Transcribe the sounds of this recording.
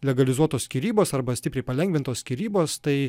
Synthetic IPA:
lʲɛɡɐlʲɪzuɔt̪oːskʲiɾʲiːboːsɐɾbɐsʲt̪ʲɪpʲɾʲɛɪpɐlʲɛŋʲɡʋʲɪnt̪oːskʲiːɾʲiːboːst̪ɐɪ

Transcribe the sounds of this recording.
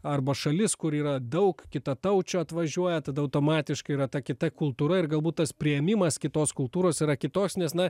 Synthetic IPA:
ɐrbɐʃɐlʲɪskʊɾiːɾɐd̪ɐʊkkʲɪt̪ɐt̪ɐʊt͡ʃʲoɐt̪ʋɐʒʲuɔjɛt̪ɐd̪ɐɐʊt̪oːmɑːt̪ʲɪʃkɐɪiːɾɐt̪ɐkʲɪt̪ɐkʊlˠt̪uːɾɐɪrɡɐlˠbuːt̪t̪ːɐspʲɾʲɪjɛmʲɪmɐskʲɪt̪oːskʊlˠt̪uːɾoːsiːɾɐkʲɪt̪oːksnʲɛsnɐ

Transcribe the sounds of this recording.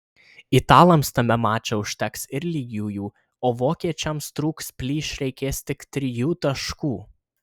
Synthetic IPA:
ɪt̪ɑːlˠɐmst̪ɐmʲɛmɑːt͡ʃʲɛʊʃʲt̪ʲɛksɪɾlʲiːɡʲjuːjuː | oːʋoːkʲiɛt͡ʃʲɛmst̪ɾuːkspʲlʲiːʃɾʲɛɪkʲeːst̪ʲɪkt̪ʲɾʲɪjuːt̪ɐʃkuː

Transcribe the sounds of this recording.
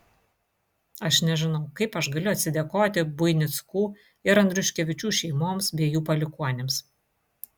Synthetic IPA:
ɐʃnʲɛʒʲɪnɐʊkɐɪpɐʃɡɐlʲʊɐt̪ʲsʲɪd̪ʲeɛkoːt̪ʲɪbʊɪnʲɪt̪skuː | ɪɾɐnd̪ʲɾʲʊʃʲkʲɛʋʲɪt͡ʃʲuːʃʲɛɪmoːmsbʲeɛjuːpɐlʲɪkuɔnʲems

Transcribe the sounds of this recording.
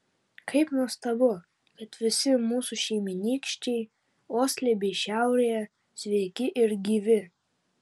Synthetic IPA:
kʰɐɪpnuɔst̪ɐbʊ | kɐt̪ʋʲɪsʲɪmuːsuʃʲɛɪmʲɪnʲiːkʃʲt͡ʃʲɛɪ | oːsʲlʲebʲɛɪʃʲæˑʊɾʲejɛ | sʲʋʲɛɪkʲɪʔɪɾɡʲiːʋʲɪ

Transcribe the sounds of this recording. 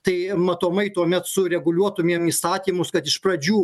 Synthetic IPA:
t̪ɐɪmɐt̪oːmɐɪt̪uɔmʲɛt̪sʊɾʲɛɡʊlʲuɔt̪ʊmʲiɛmiːst̪ɑːt̪ʲiːmʊskɐt̪ɪʃpɾɐd͡ʒʲuː

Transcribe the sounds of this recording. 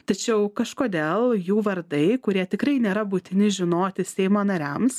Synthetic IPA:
t̪ɐt͡ʃʲɛʊkɐʃkoːd̪ʲeːlˠjuːʋɐɾd̪ɐɪkʊɾʲiɛt̪ʲɪkɾɐɪnʲeːɾɐbʊt̪ʲɪnʲɪʒʲɪnoːt̪ʲɪsʲɛɪmoːnɐɾʲæms

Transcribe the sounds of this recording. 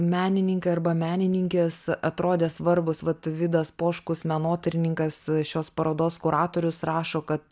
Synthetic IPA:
mʲæːnʲɪnʲɪŋkɐɪɐrbɐmʲæːnʲɪnʲɪŋʲkʲeːsɐt̪ɾoːd̪ʲeːsʋɐrbʊsʋɐt̪ʋʲɪd̪ɐspoːʃkʊsmʲɛnoːt̪ʲɐɾʲɪnʲɪŋkɐsʃʲoːspɐɾoːd̪oːskʊɾɑːt̪oːɾʲʊsrɑːʃoːkɐt̪

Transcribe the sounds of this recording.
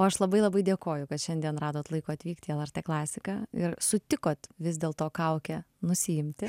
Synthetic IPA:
oːɐʃlˠɐbɐɪlˠɐbɐɪd̪ʲeɛkoːjʊkɐt̪ʃʲɛnʲd̪ʲiɛnrɑːd̪oːt̪lˠɐɪkoːɐt̪ʲʋʲiːkt̪ʲiːɛlˠɐrʲt̪ʲeːklˠɑːsʲɪkɑːɪɾsʊt̪ʲɪkoːt̪ʋʲɪzd̪ʲeːlˠt̪oːkɐʊkʲɛnʊsʲɪɪmʲt̪ʲɪ

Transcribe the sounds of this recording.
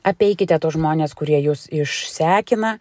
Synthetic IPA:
ɐpʲɛɪkʲɪt̪ʲɛt̪oːsʒmoːnʲeːskʊɾʲiɛjuːsɪʃsʲæːkʲɪnɐ

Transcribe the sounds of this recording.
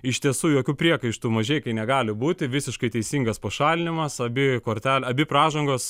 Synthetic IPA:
ɪʃʲt̪ʲiɛsuːjoːkʲuːpʲɾʲiɛkɐɪʃt̪umɐʒʲeːjkɐɪnʲɛɡɑːlʲɪbuːt̪ʲɪʋʲɪsʲɪʃkɐɪt̪ʲɛɪsʲiːŋɡɐspɐʃɑːlʲɪnʲɪmɐsɐbʲɪkoːrʲt̪ʲæːlʲɐbʲɪprɑːʒɐŋɡoːs

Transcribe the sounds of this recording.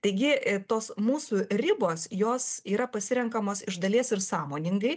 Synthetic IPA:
t̪ɐɪɡʲɪt̪oːsmuːsurʲɪboːsjoːsiːɾɐpɐsʲɪɾʲɛŋkɐmoːsɪʒd̪ɐlʲiɛsɪɾsɑːmoːnʲɪŋɡɐɪ

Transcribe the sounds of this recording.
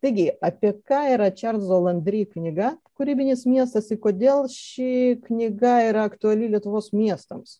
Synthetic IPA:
t̪ɐɪɡʲɪɐpʲiɛkɑːiːɾɐt͡ʃʲɛrt̪zoːlˠɐnʲd̪ʲɾʲiːknʲɪɡɐkʊɾʲiːbʲɪnʲɪsmʲiɛst̪ɐsɪkoːd̪ʲeːlˠʃʲɪknʲɪɡɐiːɾɐɐkt̪ʊɐlʲɪlʲiɛt̪ʊʋoːsmʲiɛst̪ɐms

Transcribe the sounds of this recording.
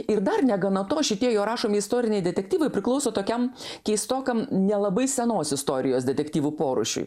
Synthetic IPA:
ɪɾd̪ɐrnʲɛɡɐnɐt̪oːʃʲɪt̪ʲiɛjoːɾɑːʃoːmʲɪɪst̪oːɾʲɪnʲɛɪd̪ʲɛt̪ʲɛkt̪ʲiːʋɐɪpʲɾʲɪklˠɐʊsoːt̪oːkʲɛmkʲɛɪst̪oːkɐmnʲɛlˠɐbɐɪsʲɛnoːsɪst̪oːɾʲɪjoːsd̪ʲɛt̪ʲɛktʲiːʋupoːɾʊ̰ʃʲʊ̰

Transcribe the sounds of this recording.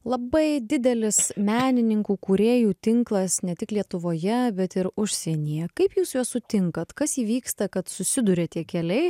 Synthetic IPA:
lˠɐbɐɪd̪ʲɪd̪ʲɛlʲɪsmʲæːnʲɪnʲɪŋkuːkuɾʲeːjuːt̪ʲɪŋklˠɐsnʲɛt̪ʲɪklʲiɛt̪ʊʋoːjɛbʲɛt̪ɪɾʊʃʲsʲɛnʲijɛkɐɪpjuːsjuɔssʊt̪ʲɪŋkɐt̪kɐsiːʋʲiːkst̪ɐkɐt̪sʊsʲɪd̪uɾʲeːt̪ʲiɛkʲɛlʲɛɪ

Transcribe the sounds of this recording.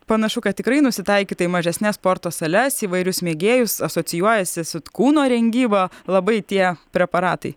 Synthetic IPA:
pɐnɐʃʊkɐtt̪ʲɪkɾɐɪnʊsʲɪt̪ɐɪkʲiːt̪ɐimɐʒʲɛsʲnʲɛsspoːɾt̪oːsɐlʲɛsiːʋɐɪɾʲʊsmʲeːɡʲeːjʊsɐsoːt͡ssʲɪjuɔjɛsʲɪsʊkuːnoːɾʲɛŋʲɡʲiːbɐlˠɐbɐɪt̪ʲiɛpʲɾʲɛpɐɾɑːt̪ɐɪ

